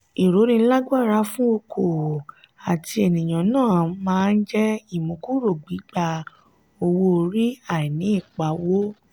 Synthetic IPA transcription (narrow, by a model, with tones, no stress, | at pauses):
i˨ɾo˨˦ɾĩ˧˦la˦ɡa˦˨ɾa˧˦fũ˦o˧kʰo˨ | a˨ti˧e˨nĩ˨j̃ã˨nãː˦˨mãː˦˧n̩˦d͡ʒɛ˦i˦˨mũ˨ku˦ɾo˦˨ɡ͡bi˨˦ɡ͡ba˧ | o˧wo˧ɾi˦a˦˨i˨nĩ˨˦i˦˨k͡pa˨˦wo˦